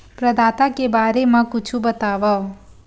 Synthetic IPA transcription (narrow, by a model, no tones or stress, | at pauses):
pɾəd̪aːt̪akebaːɾemãkʊt͡ʃʰubət̪aːʋa